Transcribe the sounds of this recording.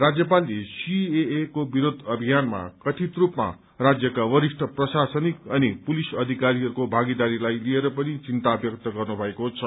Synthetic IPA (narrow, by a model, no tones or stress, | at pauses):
rad͡zjʌp̬alisieekobiɾod̪ʱʌbʱijanma̰kʌt̪ʰit̪rupma̰ | rad͡zjʌkawʌɾiʂʈʰʌprʌsasʌnikʌnipulisʌd̪ʱikaɾiɦʌɾukobʱaɡid̪aɾilajlieɾʌpʌnit͡sint̪aːbjʌkt̪ʌɡʌrnubʱʌekot͡sʰʌ